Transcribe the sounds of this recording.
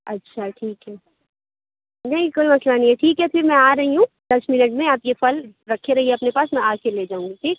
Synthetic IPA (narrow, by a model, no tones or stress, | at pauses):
ɐtːʃʰaʈʰiːkɦɛː | nɐɦĩkoːimɐslanɐɦĩɦɛʈʰiːkɦɛfɪɾmɛ̃aːɾɐɦiɦũ | d̪̥ɐsmɪnəʈmẽaːpjefɐlɾɐkʰːeɾɐɦiɛɐpnepaːsmɛ̃aːkeleːd͡ʒaːũŋɡiʈʰiːk̚